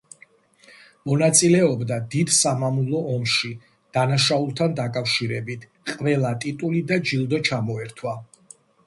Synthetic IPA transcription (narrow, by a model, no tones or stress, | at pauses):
mɔnat̪sʼilɛɔbd̪ad̪id̪samamulˠɔɔmʃi | d̪̥anaʃaulˠt̪ʰand̪akʼafʃiɾɛbit̪ʰ | qʼvɛlˠat̪ʼit̪ʼulid̪ad͡ʒilˠd̪ɔt͡ʃʰamɔɛɾt̪ʰwa